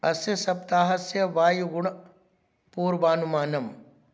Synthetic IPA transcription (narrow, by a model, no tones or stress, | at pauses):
ɐsjɐsɐpt̪aːɦɐsjɐʋaːjuɡʊɳ | puːɾbaːnumaːnɐm